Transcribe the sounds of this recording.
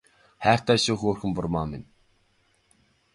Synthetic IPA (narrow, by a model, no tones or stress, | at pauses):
χæːr̥t̪aːʃoːxoːrxɘ̆mpʊrmaːmɪn